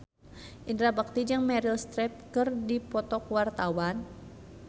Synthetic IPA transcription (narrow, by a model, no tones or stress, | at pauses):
ʔindɾabak̚t̪id͡ʒaŋmɛɾilst̪ɾɛp̚kɨrdipɔt̪ɔkwart̪awan